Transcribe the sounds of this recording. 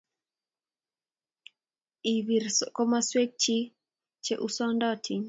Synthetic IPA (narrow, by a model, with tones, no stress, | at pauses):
i˨wi˨ɾsko˦ma˦swe˦k̚t͡ʃi˦ | t͡ʃe˦ʔu˦sɔ˦ndɔ˦tʰi˨ɲ